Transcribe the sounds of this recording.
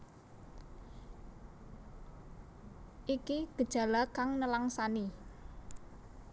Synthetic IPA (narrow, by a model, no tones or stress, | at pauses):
ʔikiɡ̥ə̤d̥ʒ̥a̤lakaŋnəlaŋsani